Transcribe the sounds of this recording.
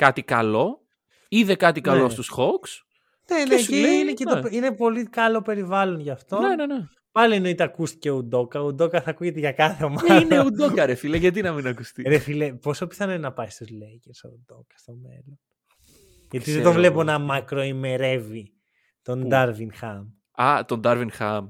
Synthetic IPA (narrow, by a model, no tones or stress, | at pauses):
kɐt̪ikɐlo̞ | iðekɐt̪ikɐlost̪usxoks | neneeinecet̪opine̞po̞likɐlo̞pe̞ɾivɐlo̞nʝɐft̪o̞nenene | pɐlieno̞it̪eɐkust̪i̥ceud̪o̞kɐud̪o̞kɐθɐkuʝe̞t̪eʝɐkɐθeomɐineud̪okɐɾefileʝɐt̪̬inɐminɐkust̪iɾefilepo̞sopi̥θɐnonɐpɐist̪uzleceɾso̰ud̪o̞kɐ̥st̪o̞me̞̰lon | ʝɐt̪iðed̪ovle̞ponɐmɐkɾo̞ime̞ɾe̞vi | t̪o̞nd̪ɐɾvinxɐm | ɐ̰t̪ond̪ɐɾvinxɐ̰m